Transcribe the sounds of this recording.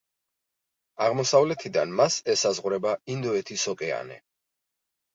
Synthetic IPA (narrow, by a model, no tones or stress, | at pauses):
aʁmɔsavlɛt̪ʰid̪anmasɛsazʁɾɛbaind̪ɔɛt̪ʰisɔkʼɛa̰nɛ̰